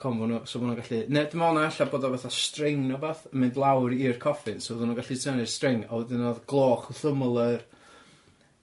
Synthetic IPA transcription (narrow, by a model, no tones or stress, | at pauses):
kʰɔmvʊnusɔbnuɡaɬinɛdɪmɔnaɛɬaboːdɔvɛθastrɪŋnɔbaθmɨndlˠawrirkʰɔfɨnsovəðɪnuɡaɬitʰɛnɨ̥strɪŋa̰wɛdɪnoːðɡ̥lˠoːχuθəmlˠər